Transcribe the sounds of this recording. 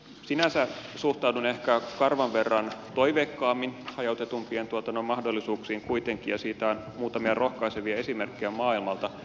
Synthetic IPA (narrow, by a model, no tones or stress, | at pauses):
sinæsæsuht̪ɑuwdune̞hkækɑrʋɑnʋe̞rːɑnt̪o̞iʋeːkːɑːmːinhɑjot̪et̪umpient̪uot̪ɑnoimɑhdolːisuːksiːŋkuit̪e̞ŋkijɑsiːt̪æonmuːt̪ɑmiɑro̞hkɑiseʋiæe̞simerkːejæmɑːilmɑlt̪ɑ